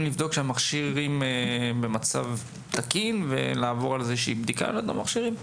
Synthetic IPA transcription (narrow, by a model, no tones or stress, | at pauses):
nlivd̪o̞kʃeamaχʃiʁimebe̞mat͡sa̰v | t̪akinve̞̰laːvo̞ʁalzeʃeibd̪ika̰lod̪a̰maχʃiʁim